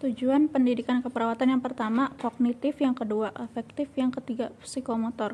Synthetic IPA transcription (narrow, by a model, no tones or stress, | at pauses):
t̪ud͡ʒuanpəndidikankəpəɾawat̪anjaŋpərt̪amakoɡ̚nit̪ɪfjaŋkəduaʔɛfɛk̚t̪ɪfjaŋkət̪iɡapsikomɔt̪ɔr